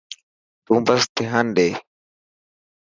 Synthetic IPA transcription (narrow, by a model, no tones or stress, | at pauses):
t̪ũːbəst̪ɪɦaːnɗeː